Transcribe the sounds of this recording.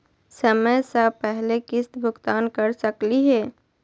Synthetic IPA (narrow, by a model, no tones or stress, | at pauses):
səməjsəpɛɦlekɪst̪bʱʊɡt̪aːnkəɾsəkliɦɛː